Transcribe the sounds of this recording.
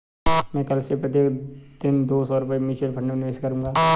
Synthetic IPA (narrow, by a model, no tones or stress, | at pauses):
mɛ̃ːkɐlsepɾɐt̪̬eːkd̪̥ɪnd̪oːsɔːɾʊpɛimɪt͡ʃəlbʰʱɐʈnenʋeːskɐɾũːŋɡaː